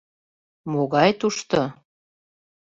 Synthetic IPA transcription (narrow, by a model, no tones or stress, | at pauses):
moɣɑjt̪uʃt̪o